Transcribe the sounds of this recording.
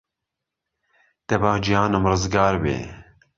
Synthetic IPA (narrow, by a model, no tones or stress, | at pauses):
t̪ɛbaːd͡ʒijɑːnɨmrɨzɡɑːɾbḛː